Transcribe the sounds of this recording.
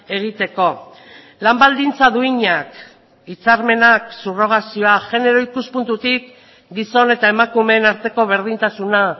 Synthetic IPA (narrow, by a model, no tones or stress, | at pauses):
e̞ɣ̞it̪e̞ko̞ | lambald̪int͡saðuiɲak | it͡saɾme̞naksuro̞ɣ̞asio̞aʝe̞ne̞ɾo̞ikuspunt̪ut̪ik | ɡiso̞ne̞t̪ae̞makume̞naɾt̪e̞ko̞β̞e̞ɾð̞int̪asuna